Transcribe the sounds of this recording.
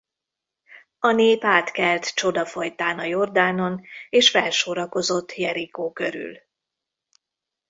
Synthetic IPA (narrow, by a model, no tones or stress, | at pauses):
ɒneːpaːt̪kɛlt̪t͡ʃo̞d̪ɒfo̞jt̪aːnɒjo̞rd̪aːno̞neːʃfɛlʃoɾɒko̞zo̞t̪ːjɛɾikoːkø̞ɾy̰l